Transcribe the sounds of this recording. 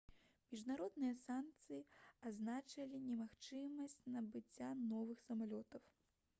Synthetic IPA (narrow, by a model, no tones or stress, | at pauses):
mʲiʐnaɾɔd̪nɨjɐsank̚t̪sɨjiaznat͡ʂɐlʲinʲɛmaxt͡ʂɨmɐsʲt͡sʲnɐbɨt͡sʲːanɔvɨxsɐmalʲɔt̪ɐw